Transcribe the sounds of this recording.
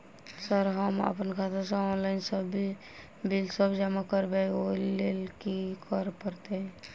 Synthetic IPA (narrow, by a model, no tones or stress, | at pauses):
səɾɦəmə̰pənkʰat̪ʰeɾsə̃ɔnlaɪnsəbi | bilsəbd͡ʒamakəɾbeolːelkikʰəɾpəɾt̪eɛ̃